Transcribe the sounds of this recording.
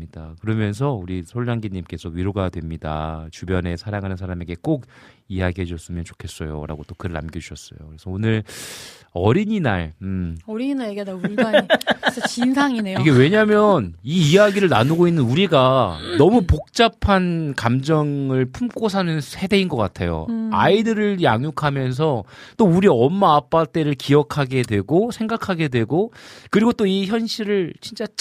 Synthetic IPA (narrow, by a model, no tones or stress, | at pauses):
ɲid̥akɯɾʌmjʌns̬ʰʌuɾisʰoɭːaŋɡiɲimk͈e̞sʰʌɥiɾoɡadwe̞mɲida̰t͡ɕubjʌne̞sʰaɾaŋɦanɯnsʰaɾame̞ɡe̞k͈oɡijaɡiɦed͡ʑʰʌs͈ɯmjʌnt͡ɕo̥kʰe̞s͈ʌjo̰ɾa̰ɡot͈okɯɾɯɭa̰mɡʌd͡ʑuɕʰʌs͈ʌ̰jo̰kɯɾe̞sʰʌonɯɭ | ʌɾiɲina̰ɭɯmʌɾiɲinaɭjeɡndauɭɡa | t͡ɕinsʰaŋinejiɡewe̞ɲamjʌniːjaɡiɾɯɭna̰nuɡoinːɯnuɾiɡanʌmupok̚t͡ɕ͈apʰankamd͡ʑʌŋɯɭpʰumk͈os̬ʰanɯnsʰe̞de̞inɡʌk͈a̰tʰe̞̰jo̰a̰idɯɾɯɭja̰ŋjukʰamjʌns̬ʰʌt͈ouɾiʌmːaːp͈at͈e̞ɾɯɭkijʌkʰaɡe̞dwe̞ɡosʰe̞ŋɡakʰaɡe̞dwe̞ɡokɯɾiɡot͈oiçjʌnɕʰiɾɯɭt͡ɕint͡ɕ͈a